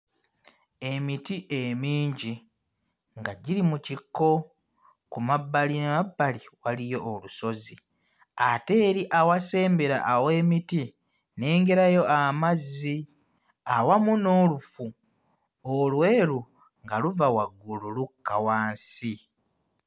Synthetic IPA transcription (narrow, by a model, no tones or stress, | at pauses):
e̞mitiʔemiːɲɟi | ŋɡaɟiɾimucikːo̞ | kumabːalinemabːaliwalijo̞ʔoluso̞zi | ate̞ːɾiʔawase̞ːmbeɾa̰ʔːwe̞ːmiti | ne̞ːŋɡe̞ɾajo̞ʔamazːi | awamuno̞ːlufu | olwe̞ːɾu | ŋɡaluvawaɡːululukːawaːnsi